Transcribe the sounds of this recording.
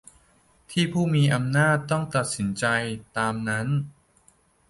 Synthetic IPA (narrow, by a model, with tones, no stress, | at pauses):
t̪ʰiː˥˩pʰuː˥˩miː˧ʔa˧mnaː˥˩t̪ːɔ˥˩ŋt̪a˨˩t̪̚si˩˦nt͡ɕa˧jt̪aː˧mna˦˥n